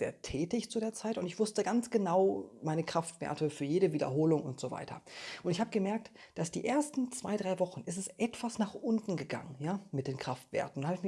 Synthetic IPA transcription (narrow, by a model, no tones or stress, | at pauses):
z̥ḛːɐtʰɛːtəɪçt͡sudeːɐt͡saɪtʊntɪçv̥ʊstəɡant͡sɡ̥ənaʊmaɪnəkʁ̥aftv̥ḛːɐtəfyːɐjeːɾəviːdɐ̰ɦoːlʊŋʊntz̥ova̰ɪtʰɐ̰ʔʊntɪçhaːbəɡəmɛɐk̚t | d̥asd̥ḭːʔeːɐstn̩t͡sv̥a̰ɪdʁaɪvɔχn̩ʔɛs̬tɛstʔɛtv̥asnaːχʔʊntn̩ɡəɡa̰ŋənjaːmɪt̚d̥eːnkʁ̥aftv̥ḛːɐtn̩ʊnham